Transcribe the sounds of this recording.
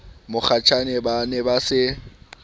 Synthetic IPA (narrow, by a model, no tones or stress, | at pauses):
mʊk͡xʰat͡ʃʰanɛbanɛbasɪ